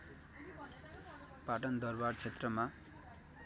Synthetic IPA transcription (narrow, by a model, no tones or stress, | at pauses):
paʈʌnd̪ʌrbart͡sʰet̪rʌma